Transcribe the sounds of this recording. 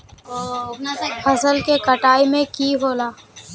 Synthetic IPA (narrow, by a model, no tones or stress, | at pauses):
pʰɐsəlkekɐʈaːimẽkiːɦoːlaː